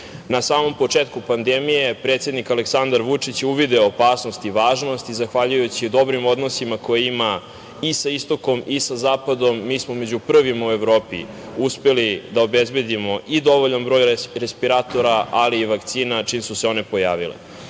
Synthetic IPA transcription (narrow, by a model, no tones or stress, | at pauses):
nasaːmo̞mpo̞t͡ʂeːt̪kupand̪emije̞pɾet̪sje̞d̪nikaleksand̪aɾʋut͡ʂit͡ɕuʋid̪eopaːsnost̪iʋaːʒno̞st̪izaxʋaʎujut͡ɕid̪o̞bɾimo̞d̪no̞simakojeima | isaist̪o̞ko̞misazaːpad̪o̞mːiːsmome̞d͡ʑupr̩ʋimaue̞ʋɾo̞ːpḭ | uspe̞lid̪aobezbe̞d̪imo̞ʔid̪o̞ʋo̞ʎanbɾo̞ːjɾespiɾaːt̪o̞ɾaʔaliːʋakt̪siːnat͡ʃiːmsuseo̞ne̞po̞jaːʋḭlḛ